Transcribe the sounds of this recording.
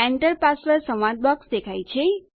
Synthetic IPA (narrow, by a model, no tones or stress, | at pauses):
eɳʈəɾpasʋəɾsə̃mad̪̚bɔksd̪ekʰajt͡ʃʰe